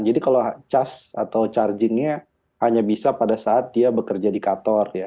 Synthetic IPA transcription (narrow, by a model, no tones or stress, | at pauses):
nd͡ʒadikalot͡ʃasa̰t̪awt͡ʃard͡ʒɪnɲa | haɲabisapadasaat̪̚diabəkərd͡ʒadikat̪ɔrja